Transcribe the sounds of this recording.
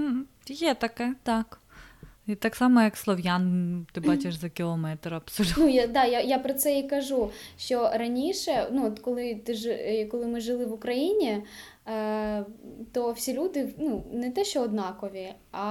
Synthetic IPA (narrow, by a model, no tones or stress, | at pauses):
m̩ | jɛt̪ɐkɛt̪ɑk | it̪ɑksɑmɔjɐkslˠɔwjant̪ɪbɑt͡ʃʲɪʃzɐkʲɪlˠɔmɛt̪ɾɐpsʊd̪nujad̪ɑjajapɾɔt̪sɛikɐʒuʃt͡ʃɔɾɐnʲiʃɛnuɔt̪kɔlˠɪt̪ɪʒɪkɔlˠɪmɪʒɪlˠɪʋʊkɾɐjinʲi | t̪ɔwsʲilʲud̪ɪnunɛt̪ɛʃt͡ʃɔɔːd̪nɑkɔʋʲi | ɐ